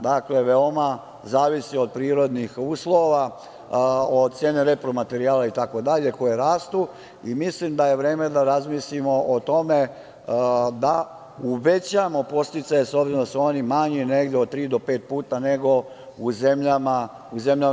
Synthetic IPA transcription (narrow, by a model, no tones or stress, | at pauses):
d̪akle̞ʋeo̞ma | zaːʋisio̞d̪̚pɾiːɾo̞d̪nixuːslˠo̞ʋa | od̪̚t̪sjeːneɾepɾomat̪e̞ɾiaːlait̪ako̞d̪aʎe̞ko̞jeɾaːst̪u | imislimd̪aje̞ʋɾe̞ːme̞d̪aɾazmislimo̞ʔot̪o̞me̞ | d̪a | uʋe̞t͡ɕamo̞po̞st̪it̪sajeso̞bziɾod̪asuonimaɲine̞ɡd̪eot̪ɾiːd̪o̞peːt̪̚puːt̪ane̞ɡo̞ | uze̞mʎama | uze̞mʎa